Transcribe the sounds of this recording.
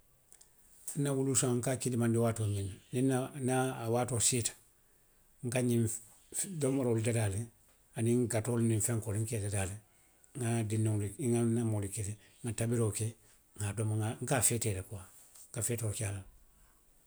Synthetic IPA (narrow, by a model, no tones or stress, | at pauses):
n̩ːawulusãŋ̩kakidimãndiwaːtoːmĩnaninanaːwaːtositḁ | ŋ̩kaɲi | domːoɾolidadaːle | anĩŋɡatolnĩɱfɛ̃ŋkoliŋ̩kɛdadale | ŋadinõŋliiŋanamolikele | ŋatabiɾoke | ŋadomaŋaŋ̩kafɛtɛːlakuwa | ŋkafeːtokala